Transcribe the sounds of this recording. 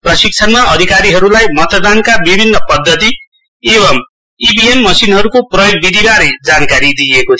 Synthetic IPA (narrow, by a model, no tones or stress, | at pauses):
prʌsik̚t͡sʰʌnmaʔʌd̪ʱikaɾiɦʌɾulajmʌt̪ʌd̪ankabibʱinːʌpʌd̪ʱːʌt̪i | eβʌm | ibiemmʌsinɦʌɾukoprʌjoɡ̚bid̪ʱibaɾʌjd͡zankaɾid̪iekot̪ʰ